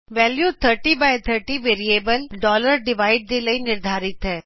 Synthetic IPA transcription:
ʋɛːljuːt̪ʰəɾʈiːbajt̪ʰəɾʈiʋeːɾieːbəlɖɔːləɾɖɪʋaːɪɖ̚d̪eləinɪɾd̪ʱaːɾɪt̪ɦɛː

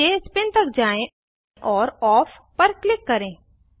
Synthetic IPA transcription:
espɪnt̪əkd͡ʒaːẽ | ʔɔːɾɔːpʰ | pɐɾklɪkːɐɾẽː

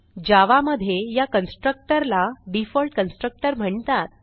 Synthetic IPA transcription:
d͡ʑaʋaməd̪ʱjejakənsʈɾək̚ʈəɾlaɖifɔlʈkənsʈɾək̚ʈəɾm̤əɳt̪at̪̚

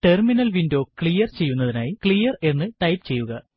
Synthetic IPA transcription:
ʈe̞rminɐlʋindo̞ːkɭijɐrt͡ɕe̞jːunːɐðinaːjikɭijɐre̞nːɨʈɐjpt͡ɕe̞jːuɣɐ

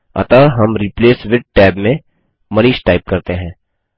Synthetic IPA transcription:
ɐ̰t̪aɦɐmɾipleːsʋɪʈ̚ʈɛːbmẽ | mɐɾiːʃʈaːɪp̚kɐɾt̪eɦɛ̃ː

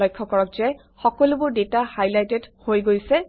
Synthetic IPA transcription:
ɔjkʰːɔkɔɹɔk̚zɛ | xɔkɔlʊbʊɹdetahajlajtɛdhojɡojsɛ

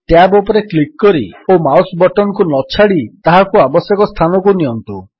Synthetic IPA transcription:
ʈjabɔpɔɾeklikːɔɾiomawsbɔʈɔnɔkunɔt͡ʃʰaɽit̪aɦakuabɔsjɔkɔst̪ʰanɔkuniɔnt̪u

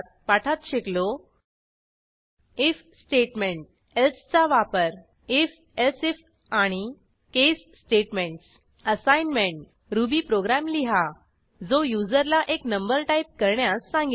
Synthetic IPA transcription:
t̪̚ | paʈʰat̪ɕeklo | ef | sʈeʈmẽɳʈ̚ | elst͡saʋapəɾ | ef | elsef | aɽ̃i | kesːʈeʈmẽɳʈs | əsajnmeɳʈ | ɾubiːpɾoɡɾamliɦa | d͡zojud͡zəɾlaʔeknəmbəɾʈaip̚kəɾɳjasːãŋɡi

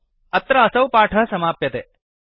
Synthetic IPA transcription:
ɐt̪ɾɐːsɐwpaːʈʰɐɦsɐmaːpjɐt̪eː

